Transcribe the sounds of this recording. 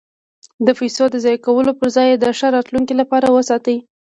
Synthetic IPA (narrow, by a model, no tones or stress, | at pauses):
d̪əfijsod̪əzɑjkawəlopəɾzɑjed̪əʂaɾɑt̪luŋkilapɑɾawəsɑt̪ai